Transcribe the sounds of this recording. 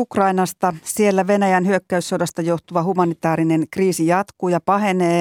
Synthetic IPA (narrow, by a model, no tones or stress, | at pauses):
ukrɑinɑst̪ɑsielːæʋe̞næjænɦyøkːæysːodɑst̪ɑjo̞ht̪uʋɑhumɑnit̪ɑːɾine̞nkriːsijɑt̪kujɑpɑɦe̞neː